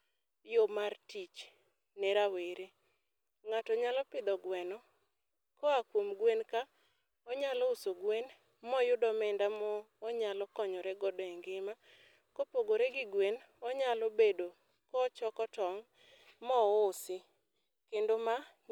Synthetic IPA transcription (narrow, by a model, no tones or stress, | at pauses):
jomartit͡ʃ | nɛɾaweɾe | ŋatɔɲalɔpɪd̪ɔɡwɛnɔ | kɔakwomɡwenka | ɔɲalɔʊsoɡwen | mɔjʊdɔmɛndamɔː | ɲalɔkɔɲɔɾɛɡɔdɔɛŋɡɪma | kopoɡoɾɛɡɪɡwen | ɔɲalɔbedo | kɔt͡ʃɔkɔtɔŋ | mɔːsɪ | kendoma